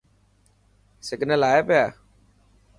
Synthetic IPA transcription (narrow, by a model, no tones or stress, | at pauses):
sɪɡnəlaːepjaː